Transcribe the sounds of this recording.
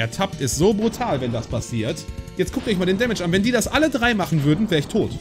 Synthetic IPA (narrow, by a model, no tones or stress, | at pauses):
ʔɛɐtʰap̚tɪstz̥oːbʁutʰaːlvɛndaspʰasiːɐtjɛt͡stkʰʊk̚tɔçmaldeːndɛmɛʃʔanvɛndiːdasʔalədʁaɪmaχn̩vʏɐdn̩vɛːʁəɪçtʰoːt